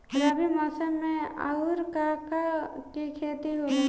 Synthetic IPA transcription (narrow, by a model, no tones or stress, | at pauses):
ɡɾaːbimaːsəmːẽa̰ʊɾkakakikʰeːt̪iɦoːle